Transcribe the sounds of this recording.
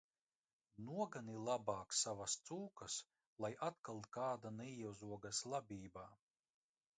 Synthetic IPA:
nuɔɡanilˠabaːksavast̪suːkas | lˠajat̪̚kalˠkaːd̪anɛjɛwzuɔɡaslˠabʲiːbaː

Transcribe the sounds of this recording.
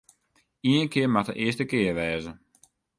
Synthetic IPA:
iənkɪəmaxdə̰ʔɪəstəkɪərʋɛːzə

